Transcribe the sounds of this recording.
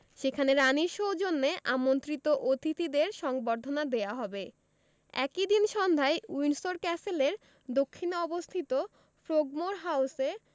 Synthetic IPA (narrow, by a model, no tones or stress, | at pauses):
ʃekʰaneɾaniɾʃowd͡ʑonːeʔamont̪ɾit̪oʔot̪ʰit̪id̪eɾʃɔŋboɾd̪ʱonad̪eaɦɔbe | ɛ̰kid̪inʃɔnd̪ʱaeujnsoɾkɛseleɾ | d̪okʰːinɔbost̪ʰit̪o | fɾoɡ̚moɾɦawse